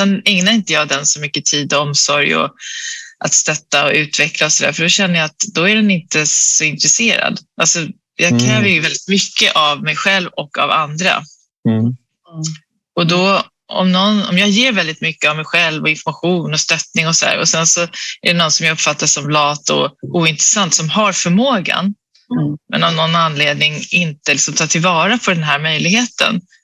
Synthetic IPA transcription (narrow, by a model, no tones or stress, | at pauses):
sɛnɛŋnaɾɪnt̪əjɑːɡd̪ɛnsɔmʏkːət̪ʰiːd̪ɔɔmsɔɾjɔ̰ | ʔat̪st̪œt̪ːaɔʉ̟ːt̪vɛklaɔsɔd̪æ̰ːɾfœɖɔɕɛnːəjɑːt̪d̪ɔæɖɛnɪnt̪əsɔɪnt̪ɾɛseːɾa̰d̪ʔalsɔ | jɑːɡkʰɾɛːvəɾjɵvɛld̪ɪt̪mʏkːəʔavmɛjɧɛlvɔkːa̰va̰nd̪ɾa̰ | ɔd̪ɔ | ɔ̰mnɔnɔ̰mjɑːɡjeːɾvɛld̪ɪt̪mʏkːəavmɛjɧɛlvɔɪnfɔɾmaɧuːnɔst̪œt̪nɪŋɔsɔd̪æ̰ːɾɔsɛnsɔæ̰ɖɛnɔnsɔmjaɡɵpːfat̪ːasɔmlɑːt̪ɔ̰uːɪnt̪ɾɛsant̪sɔmɦaɾfœɾmoːɡa̰n | mɛ̰nɔvnɔnːanleːd̪nɪŋɪnt̪əlɪksɔmt̪ʰɑːʈʰɪlvɑːɾapʰɔd̪ɛnɦæːɾmœjlɪɡheːt̪ə̰n